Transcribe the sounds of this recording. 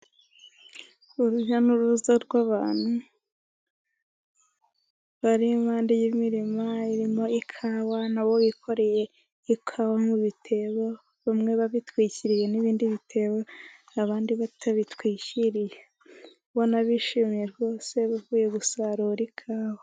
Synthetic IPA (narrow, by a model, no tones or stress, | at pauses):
uɾuʒanuɾuzaɾɡwaβaːn̥hu | βaɾimaːndijimiɾimaiɾimo̞ikʰawanaβowikʰo̞ɾe̞je̞ | ikʰawamuβitʰe̞βo | βamŋe̞βaβitwiːciɾije̞niβiːndiβitʰe̞βo | aβaːndiβatʰaβitwiːciɾije | βonaβiʃimijeɾɡo̞ːse̞βavuːje̞ɡusaɾoɾikʰaːwa